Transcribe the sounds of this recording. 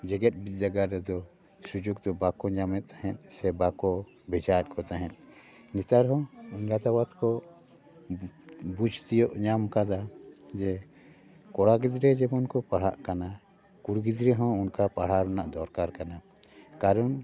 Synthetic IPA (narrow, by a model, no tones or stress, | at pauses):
d͡ʒɛɡɛt̪̚ˀbit̪̚ˀd͡ʒaɡaɾːɛd̪ɔ | sud͡ʒoɡ̚d̪ɔbakɔɲamɛt̪̚t̪aɦɛ̃t̪̚ˀsɛbakɔ | bɛd͡ʒat̪̚ˀkʰɔt̪aɦɛ̃t̪̚ˀ | nit̪aɾɦɔ̃iɲɾat̪abat̪kɔ | bud͡ʒʱt̪ijɔʔɲamkad̪ad͡ʒɛ | kɔɽaɡid̪ɾɛd͡ʒɛbɔnkɔpaɽ̤aʔkana | kuɾɡid̪ɾɛɦɔ̃unkapaɽ̤aɾɔnaʔd̪ɔɾkaɾkana | kaɾɔn